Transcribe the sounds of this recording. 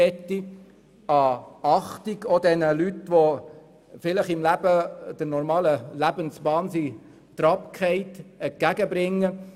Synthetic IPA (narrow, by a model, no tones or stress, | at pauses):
ɛtːi | ɑɑχtiɡɔd̥̪ɛnəlytʋɔ | fɪləχɪmlæbəd̪̥əɾnɔɾmɑːləlæbənsb̥ɑːnsi | t̪ɾɑpkʰɛɪtɛɡ̥æɡəbɾɪŋːə